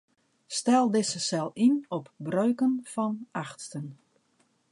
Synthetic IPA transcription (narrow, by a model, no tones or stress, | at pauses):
stɛlˠdɪsəsɛlˠinɔpbrøɥkənfɔnaxtstən